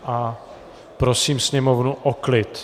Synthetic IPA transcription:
ʔa | pɾosiːmsɲɛmovnuʔoklɪt̪

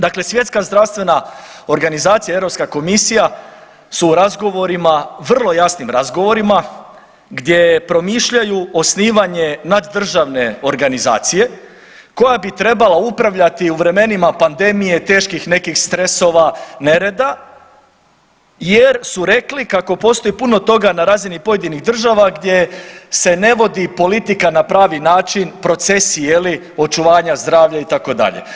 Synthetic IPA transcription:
d̪akle̞sʋje̞t̪skazd̪ɾaʋst̪vʋe̞nao̞ɾɡanizaːt̪sijaevɾo̞pskako̞misija | suːɾazɡo̞ʋo̞ɾimaʋr̩lˠo̞jasnimɾazɡo̞ʋo̞ɾima | ɡd̪je̞pɾo̞miːʃʎajuo̞sniːʋaɲe̞nad̪ːr̩ʒaʋne̞o̞ɾɡaniza̰ːt̪sije̞ | ko̞jabit̪ɾe̞balaupɾaʋʎat̪iuʋɾe̞me̞nimapand̪e̞mije̞t̪e̞ːʃkixne̞kixst̪ɾe̞so̞ʋane̞ɾe̞d̪a | jeɾsuɾe̞klikako̞po̞ːst̪o̞ipuno̞t̪o̞ɡanaɾaːzinipo̞je̞d̪iniɣd̪r̩ʒaʋaɡd̪je̞se̞ne̞ʋo̞d̪ipo̞lit̪ikanapɾaːʋinaːt͡ʃinpɾo̞t̪se̞sijeli | o̞t͡ʃuʋaːɲazd̪ɾaːʋʎait̪ako̞d̪a̰ʎe̞̰

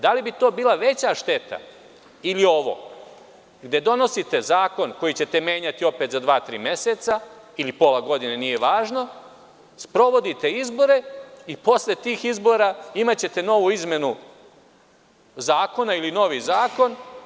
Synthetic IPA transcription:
d̪alibit̪o̞ːbiːlˠaʋe̞t͡ɕaʃt̪e̞t̪a̰ | ilio̞ʋo̞̰ | ɡd̪e̞d̪o̞no̞sit̪e̞zaːko̞nko̞jit͡ɕe̞t̪e̞meːɲat̪io̞pe̞ːt̪zad̪ʋaːt̪ɾḭːmje̞set̪sailipo̞laɡo̞d̪inenije̞ʋaːʒno̞ | spɾo̞ʋo̞d̪it̪e̞izbo̞ɾe̞ipo̞sle̞t̪iːxizbo̞ɾaimat͡ɕe̞t̪e̞no̞ʋuizme̞nu | zaːko̞nailino̞ʋizaːko̞n

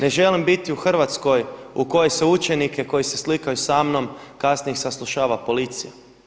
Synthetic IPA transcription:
ne̞ʒe̞limbit̪iuxr̩ʋat̪sko̞juko̞jeseut͡ʃe̞nike̞ko̞jiseslikajusamno̞mkasnijexsaslˠuʃaːʋapo̞lit̪sija

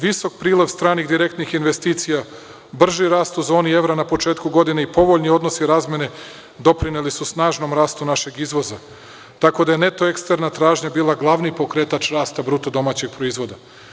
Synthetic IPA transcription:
ʋiso̞k̚pɾiːleʋst̪ɾaːniɣd̪iɾe̞k̚t̪nixinʋe̞st̪iːt̪sija | br̩ʒiɾaːst̪uzo̞ːnie̞ʋɾanapo̞t͡ʃeːt̪kuɡo̞d̪ineipo̞ʋo̞ʎnio̞d̪no̞siɾaːzme̞ne̞ | d̪o̞pɾinelisusnaːʒno̞mɾaːst̪unaʃe̞ɡizʋo̞za | t̪ako̞d̪aje̞ne̞t̪o̞ekst̪eɾnat̪ɾaːʒɲabiːlˠaɡlˠaʋnipo̞kɾe̞t̪at͡ʃɾaːst̪abɾut̪od̪o̞maːt͡ɕe̞ɡ̚pɾo̞izʋo̞d̪a

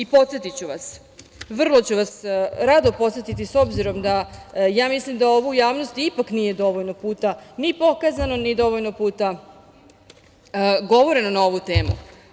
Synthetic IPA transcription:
ipo̞t̪set̪it͡ɕuʋas | ʋr̩lˠo̞t͡ɕuʋasɾad̪opo̞t̪se̞t̪it̪iso̞bziɾo̞md̪ajaːmislimd̪ao̞ʋujaːʋnost̪ipaknije̞d̪o̞ʋoʎnopuːt̪anipo̞kazano̞nid̪o̞ʋoʎnopuːt̪a | ɡo̞ʋo̞ɾe̞nonao̞ʋut̪e̞ːmṵ

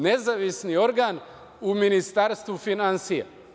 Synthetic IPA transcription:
nezaʋisnio̞ɾɡaːn | uminist̪aɾst̪ʋufinansija̰

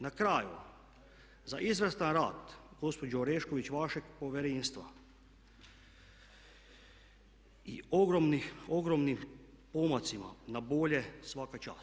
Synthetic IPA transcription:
nakɾaːju | zaʔizʋrst̪anɾaːt̪ɡo̞spo̞d͡ʒoɾeʃkoʋit͡ɕʋaʃeɡpo̞ʋʲjeɾeːnst̪ʋa̰ | ioɡɾomnioɡɾomnim | pomat̪sima̰naboʎe̞sʋakat͡ʃa̰ːs

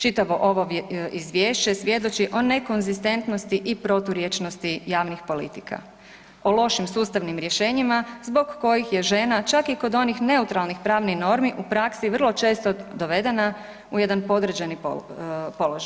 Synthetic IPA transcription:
t͡ʃit̪aʋo̞ʔo̞ʋoizʋjeːʃt͡ɕe̞sʋje̞d̪ot͡ʃiʔo̞ne̞ko̞nzist̪e̞nt̪no̞st̪iʔipɾo̞t̪uɾjet͡ʃno̞st̪ijaːʋnixpo̞lḭt̪ika̰ | o̞lˠo̞ʃimsuːst̪aʋnimɾje̞ʃe̞ːɲimazbo̞ɡːo̞jixje̞ʒe̞nat͡ʃakiko̞d̪o̞nixne̞ut̪ɾalˠnixpɾaːʋnixno̞ɾmiʔupɾaksiʋər̩lˠo̞t͡ʃe̞ːst̪od̪o̞ʋe̞d̪e̞na | uje̞d̪anpo̞d̪ɾ̩d͡ʑani | po̞loʒaj

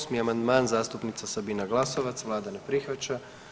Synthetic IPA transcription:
smiamand̪maːnzaːst̪upnit̪sasabiːnaɡlaːsɔʋat̪sʋlaːd̪anɛpɾixʋat͡ʃa

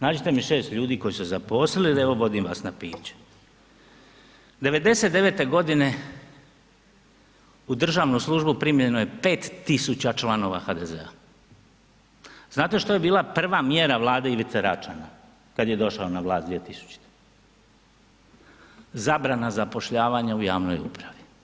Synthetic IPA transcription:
znaːd͡ʑit̪e̞miʃeːst̪ʎʲuːd̪iːko̞jiszapo̞slilieʋo̞ʋo̞d̪imʋa̰ːsnapḭːt͡ɕe̥ | d̪e̞ʋe̞d̪e̞set̪d̪e̞ʋe̞ːt̪e̞ɡo̞d̪ine̞ | ud̪r̩ʒaːʋnuslˠuʒbupɾimʎenoje̞pe̞ːt̪ːisut͡ɕat͡ʃlano̞ʋa̰xad̪e̞ze̞̰a̰ | znaːt̪e̞ʃt̪o̞je̞biːlˠapr̩ʋamjeɾaʋlˠaːd̪eiʋit̪seɾat͡ʃa̰na | kad̪je̞d̪o̞ʃaonaʋlˠaːsd̪ʋiet̪isu̥t͡ɕi̥t̪e̥ | zabɾanazapo̞ʃʎaːʋaɲaujaːʋno̞̰jṵpɾaʋi

